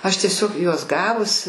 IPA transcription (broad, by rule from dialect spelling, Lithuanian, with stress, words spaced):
ˈɐʃ tʲiɛˈsʲoːk ˈjuɔs ˈɡɑːʋʊs